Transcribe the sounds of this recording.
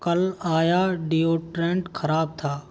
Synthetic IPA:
kəlaːjaːɖijoːʈɾẽːɳʈkʰəɾaːb̚t̪ʰaː

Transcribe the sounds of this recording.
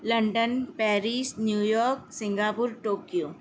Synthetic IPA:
lɐɳɖənpɛːɾiːsnjuːjɔːɾk̚sɪ̃ŋɡaːpʊɾʈoːkjoː

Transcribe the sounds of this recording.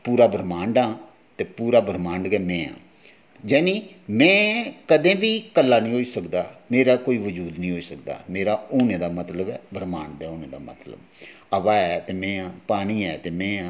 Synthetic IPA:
puːɾaːbɾmãːɳɖãː | t̪eːpuːɾaːbəɾmãːɳɖɡɛːmɛ̃ːã̰ː | d͡ʒɛːnĩː | mɛ̃ːkəd̪ẽːbiːkəlːaːnĩːɦoːiːsəkd̪aːmeːɾaːkoːiːʋəd͡ʒuːd̪nĩːɦoːiːsək̚d̪a̰ːmeːɾaːoːnẽːd̪aːmət̪ləbɛ̰ːbɾmaːɳd̪ɛːoːnẽːd̪a̰ːmə̰t̪lə̰b | əbaːɛːt̪eːmɛ̃ːãːpaːñiːɛːt̪eːmɛ̃ːã

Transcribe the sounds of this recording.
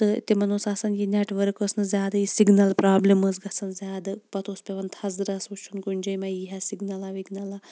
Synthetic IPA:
t̪ɨ̰t̪emɐnoːsaːsɐnjinʲeːʈʋɐɾkəsnɨzʲjaːd̪ajisiɡnɐlpɾaːbleməzɡɐsɐnzʲaːd̪ɨpɐt̪ʰoːspʲeʋɐnt̪ʰɐzɾɐsut͡ʃʰunkunʲd͡ʒɐjmɐiɦasiɡnɐlaːʋiɡnɐlaː

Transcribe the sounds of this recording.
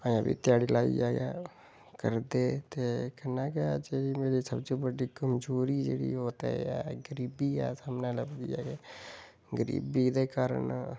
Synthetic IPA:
ããbḭːt̪ɪjaːɽiːlaːḭd͡ʒaːɡaː | kəɾd̪eːt̪eːkənaːked͡ʒeːɾiːmeːɾiːsəbd͡ʒeːbəɖiːɡəmd͡ʒuːɾiːd͡ʒeːɽḭːoːt̪ḛːɛːɡəɾiːbiːɛ̰ːsaːmnãːləbd̪iːa̰ːɡeː | ɡəɾḭːbiːd̪eːkaːɾə̰ɳ

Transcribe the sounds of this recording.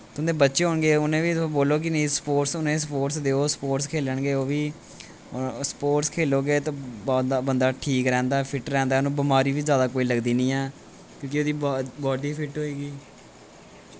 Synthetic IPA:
t̪ʊnd̪ẽbətːʃeːɦoːɳɡeːʊnẽːʋiːboːloːk̬ɪnĩspoːʈsʊnẽːsəpoːʈsd̪eːoːspoːʈskʰeːləɳɡeːoːʋiː | spoːʈskʰeːloːɡeːt̪õːbɔːd̪aːbənd̪aːʈʰiːkɾɛ̃ːnd̪aːɛːpʰɪʈɾɛ̃ːnd̪aːnũːbəmaːɾiːʋiːzjaːd̪aːkoːiːləɡd̪iːnĩːɛː | kjõːkɪoːd̪iːbɔːɖiːpʰɪʈɦoːiːɡiː

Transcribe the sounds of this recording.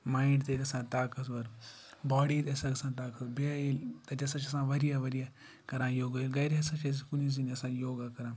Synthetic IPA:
maːiɳɖt̪eːkɐsãːt̪aːkɐsʋɐɾ | baːɽiːt̪ɐsãɡɐsãːt̪aːkɐsbeailt̪ɐt͡ʃɐsãt͡ʃɐsãːʋɐɾijaːʋɐɾija | kɐɾãːjoːɡailɡɐjɾiɐsãt͡ʃes̬ikuniz̬iniɐsãːjoːɡaːkɐɾãː

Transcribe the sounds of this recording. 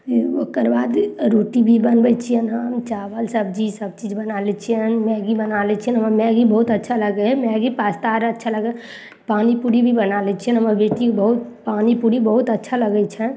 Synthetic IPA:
okəɾbaːd̪ɾoʈibʱibənbət͡ʃʰijənɦəmt͡ʃaʋəlsəb̚d͡ʒisəb̚t͡ʃid͡ʒbənalɛt͡ʃʰijənmɛːɡibənalɛt͡ʃʰiənɦəməɾmɛ̃ɡibəɦut̪ətːʃʰaləɡɛmɛːɡipast̪aɾətːʃʰaləɡɛ | panipuɾibʱibənalɛt͡ʃʰiənɦəməɾbeʈibəɦut̪paːnipuɾibəɦut̪ətːʃʰaləɡɛt͡ʃʰə

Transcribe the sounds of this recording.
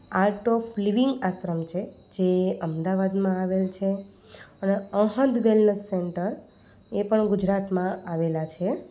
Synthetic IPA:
aɾʈofliʋiŋɡaʃɾəmt͡ʃʰe | d͡ʒeəmd̪aʋad̪mãaʋelt͡ʃʰe | əneəɦə̃nd̪ʋelnəsːeɳʈəɾ | epəɳɡud͡ʒɾat̪mãaʋelat͡ʃʰe

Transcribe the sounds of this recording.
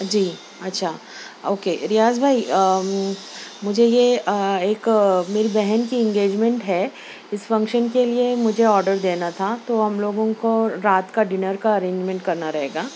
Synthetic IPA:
d͡ʒiː | ɐtːʃʰaː | oːkeɾɪjaːzbʱaːi | mʊd͡ʒʱejeeːkmeːɾibɛɦɛnkiɪ̃ŋɡeːd͡ʒmẽɳʈɦɛː | ɪsfɐ̃ŋkʃənkeliemʊd͡ʒʱeɔːɾɖəɾd̪eːnat̪ʰat̪oɦɐmloːɡõkoɾaːt̪kaɖɪnəɾkaɐɾẽːɲd͡ʒmɛ̃ɳʈ̚kɐɾnaɾɐɦeːɡaː

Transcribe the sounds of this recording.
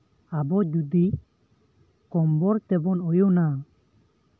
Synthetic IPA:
abɔd͡ʒud̪i | kɔmbɔɾt̪ɛbɔnɔjɔna

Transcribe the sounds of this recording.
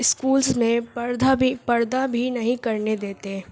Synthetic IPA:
ɪskuːlzmẽpɐɾd̪ʱabipɐɾd̪abʱinɐɦĩkɐɾned̪eːt̪e

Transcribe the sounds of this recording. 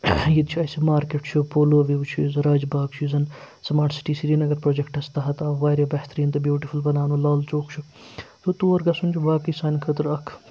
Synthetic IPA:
jid̪t͡ʃʰuɐsimaːɾkeʈt͡ʃʰupoːloːʋiʋt͡ʃʰuzɾaːd͡ʒbaːɡt͡ʃʰuzɐn | sɐmaːʈsi̥ʈiːsiɾiːnɐɡɐɾpɾoːd͡ʒekʈɐst̪ɐɦɐt̪ɐʋaːɾʲjɐbɐht̪ɾiːnt̪ɐbjuːʈifulbɐnaːnulaːlt͡ʃoːkt͡ʃʰut̪ot̪uːɐɾɡɐsunʲt͡ʃʰuʋaːkisaːnʲkʰət̪ɾɐkʰ

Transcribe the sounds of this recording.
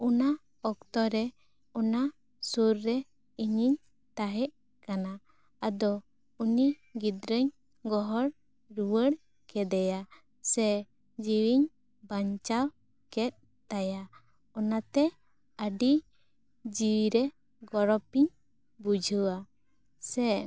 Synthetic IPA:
una | ɔkt̪ɔɾɛ | ɔna | suɾːɛ | iɲiɲ | t̪aɦɛʔ | kanaː | d̪ɔ | uni | ɡid̪ɾəɲ | ɡɔɦɔɽ | ɾuwəɽ | kɛd̪ɛja | sɛ | d͡ʒiwiɲ | baɲt͡ʃaw | kɛt̪̚ˀ | t̪aja | ɔnat̪ɛ | əɖi | d͡ʒiwiɾɛ | ɡɔɾɔpiɲ | bud͡ʒʱuwa | sɛ

